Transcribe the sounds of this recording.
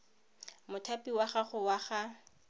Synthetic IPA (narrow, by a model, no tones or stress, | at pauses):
mʊtʰapiwaχaχʊwaχa